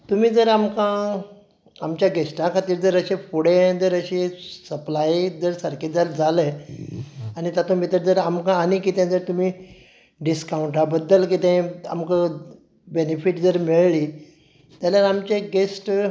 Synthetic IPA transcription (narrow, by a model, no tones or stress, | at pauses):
t̪um̤iːd͡zəɾamkã | amt͡ɕjaɡesʈãkʰat̪iːɾd͡zəɾəɕẽpuɽ̤ẽd͡zəɾəɕesəplaid͡zəɾsəɾkʰed͡zaɾd͡zʱalə | anit̪at̪õmit̪əɾd͡zəɾamkãːnikit̪ẽd͡zəɾt̪um̤iː | ɖiskawuɳʈabəd̪ːəlkit̪ẽa̰mkə | benefiʈd͡zəɾmiɭli | t̪jalaɾamt͡ɕeɡesʈ